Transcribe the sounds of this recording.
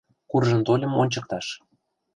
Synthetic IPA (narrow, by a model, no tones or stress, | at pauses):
kurʒə̆nt̪olʲɤ̆monʲt͡ɕɤ̆k̚t̪ɑʃ